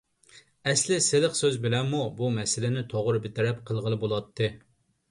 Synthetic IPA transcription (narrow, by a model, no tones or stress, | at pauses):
ɛslɪsɪlɪqsøzbɪlɛmːubumɛsɪlɪnɪt̪ʰoʁɾɨbɪt̪ɪɾɛp̚qʰəlˠʁəlˠɨbolˠɑt̪ʰːɨ